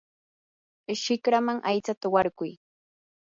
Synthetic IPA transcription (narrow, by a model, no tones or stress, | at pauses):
ʃɪkɾamaŋʔajt͡sat̪awaɾkʊj